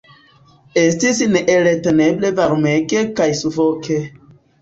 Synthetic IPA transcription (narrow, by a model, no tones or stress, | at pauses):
estisneʔeɾeteneblevaɾumekekajsufoke